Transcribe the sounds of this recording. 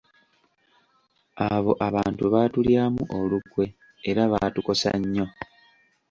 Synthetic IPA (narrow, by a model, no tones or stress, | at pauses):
aβo̞̰ʔaβaːntuβaːtuljaːmuʔolukwe̞ː | ɾaβatuko̞sa̰ɲːo̞